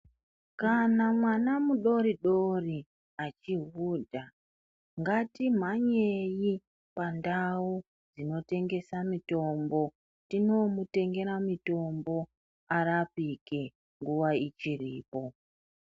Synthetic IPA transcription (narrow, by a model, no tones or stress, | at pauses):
kanamwanamuɗo̞riɗo̞ri | at͡ʃiɦuːdʱa | ŋɡatim̤aɲe̞ji | pandau | d͡zino̞te̞ŋɡe̞samito̞mbo̞ | tino̞mute̞ŋɡe̞ɾamito̞mbo̞ | aɾapike | ŋɡuʋait͡ʃiriːpo̞